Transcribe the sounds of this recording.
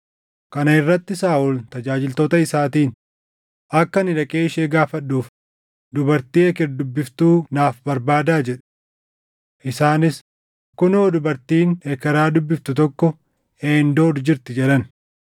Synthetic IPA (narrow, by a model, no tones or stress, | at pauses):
kɐnɐɪrːɐt̪ːɪsaːʔʊlt̪ɐd͡ʒaːd͡ʒɪlt̪oːt̪ɐɪsaːt̪iːn | ʔɐkːɐnɪᶑɐkʼeːɪʃeːɡaːfɐɗːuːf | d̪ʊbɐɾt̪iːɛkɛɾd̪ʊbːɪft̪uːnaːfbɐɾbaːd̪aːd͡ʒɛᶑ̥ | ʔɪsaːnɪs | kːʊnoːd̪ʊbɐɾt̪iːnekɛɾaːd̪ʊbːɪft̪ʊt̪ɔkːɔ | eːnd̪o̞ːd̪d͡ʒɪɾt̪ɪd͡ʒɛᶑɐn